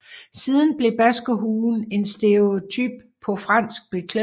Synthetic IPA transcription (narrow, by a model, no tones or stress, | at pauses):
siːðˠn̩b̥le̝b̥æsɡ̥oɦuːn̩e̝nsd̥e̝ot͡sʰy̰b̥ʰɒ̽fʁɑ̈n̰sɡ̥̚b̥e̝kʰle